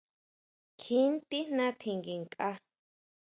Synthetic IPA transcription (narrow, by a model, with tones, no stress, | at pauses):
kʰi˦nt̪i˦n̥ã˦t̪ʰi˧ŋɡi˨ŋkʼa˦˧